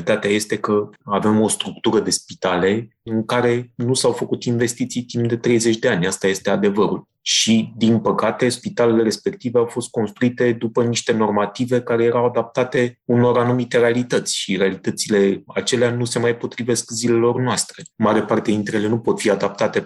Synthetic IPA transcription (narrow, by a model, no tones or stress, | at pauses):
it̪at̪eaje̞st̪e̞kəave̞mo̞st̪ɾuk̚t̪uɾəd̪e̞spit̪ale̞ɨŋkaɾe̞nusawfəkut̪inve̞st̪it̪sijt̪impd̪e̞t̪ɾe̞jze̞t͡ʃʲd̪e̞anʲast̪aje̞st̪e̞ad̪e̞vəɾṵl | ʃid̪inpəkat̪e̞spit̪ale̞le̞ɾe̞spe̞kt̪iveawfo̞st̪̚ko̞nst̪ɾuit̪e̞d̪upəniʃt̪e̞no̞rmat̪ive̞kaɾe̞je̞ɾawad̪ap̚t̪at̪e̞uno̞ɾanumit̪e̞ɾe̞alit̪ət̪sʲʃiɾealit̪ət̪sile̞at͡ʃe̞leanuse̞majpo̞t̪ɾive̞skzile̞lo̞rnoast̪ɾe̞maɾe̞part̪e̞int̪ɾele̞nupo̞t̪fiad̪ap̚t̪at̪e̞